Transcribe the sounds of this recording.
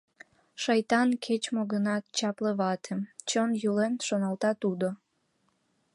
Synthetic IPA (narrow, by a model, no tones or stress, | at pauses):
ʃɑjt̪ɑnkʰet͡ɕmoɣənɑt̪t͡ɕɑpleβɑt̪ʰemt͡ɕənjulenʃonɑlt̪ɑt̪ud̪o